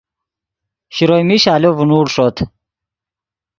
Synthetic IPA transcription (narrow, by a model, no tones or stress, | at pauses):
ɕiɾojmiɕaːlovunuːɽʂot̪ʰ